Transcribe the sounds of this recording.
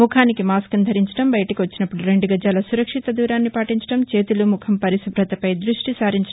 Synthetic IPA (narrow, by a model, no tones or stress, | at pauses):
ukʰaːnikimaːskɐmd̪ʱɐɾiɲt͡ʃɐ̥ɽɐmbɐjɐʈɐkiʋɐt͡ʃːinɐpːuɽuɾe̞ɳɖuɡɐd͡ʒaːlɐsuɾɐkʂit̪ɐd̪uːɾaːnːipaːʈiɲt͡ʃɐ̥ʈɐmt͡ʃeːt̪ulumukʰɐmpɐɾisɐbʱɾɐt̪ɐpɐjd̪ɾuʂʈisaːɾiɲt͡ʃɐ